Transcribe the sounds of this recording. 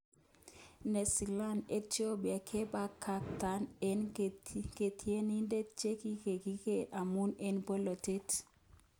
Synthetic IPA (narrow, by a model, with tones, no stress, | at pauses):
ne˨si˨la˦ne˦tjo˦bja˨kʰe˦ba˦kʰːa˨k̚ta˨˦ne˦nke˨tʰi˨e˦ni˦nde˦t͡ʃe˦ki˦ke˨ki˦ke˦ʔa˨mu˦ne˦nbɔ˦lɔ˨te˦t